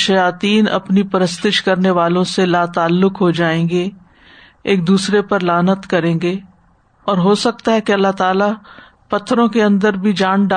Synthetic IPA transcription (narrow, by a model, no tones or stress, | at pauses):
ʃɐjaːt̪iːnɐ̰pnipɐɾəst̪ɪʃkɐɾneʋaːlõselaːt̪aːlːʊkɦod͡ʒaːẽːɡe | eːk̚d̪uːsɾepɐɾlaːnət̪kɐɾẽːɡe | ɔːɾɦoːsɐk̚t̪aɦɛkeɐlːaɦt̪aːla | pɐt̪ʰːɾõkeɐ̃nd̪əɾbʱid͡ʒaːɳɖa